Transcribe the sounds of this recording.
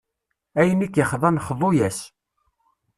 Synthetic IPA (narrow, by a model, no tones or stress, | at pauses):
æjənikːjəχðˤɑnχðˤojæs